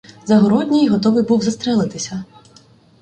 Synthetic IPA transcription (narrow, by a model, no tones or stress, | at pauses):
zɐɦɔɾɔdʲnʲijɦɔt̪ɔʋɪjbuwzɐst̪ɾɛlˠɪt̪ɪsʲɐ